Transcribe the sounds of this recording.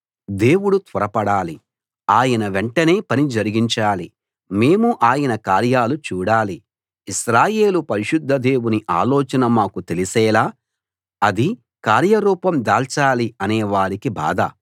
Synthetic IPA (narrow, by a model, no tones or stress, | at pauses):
d̪e̞ːwuɽut̪ʋɐɾɐpɐɽaːli | aːjɐnɐʋeɳʈɐne̞ːpɐnid͡ʒɐɾiɡiɲt͡ʃaːli | me̞ːmuʔaːjɐnɐkaːɾjaːlut͡ʃuːɽaːli | iʃɾaːje̞ːlupɐɾiʃud̪ʱːɐd̪e̞ːwuniʔaːlɔːt͡ʃɐnɐmaːkut̪elisɛːlaː | ɐd̪i | kaːɾjɐɾuːpɐmd̪aːlt͡ʃaːliɐnɛːʋaːɾikiba̰ːd̪ʱɐ̰